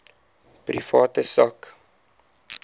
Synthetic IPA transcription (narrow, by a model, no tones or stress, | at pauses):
prḭfɑːtəsɐk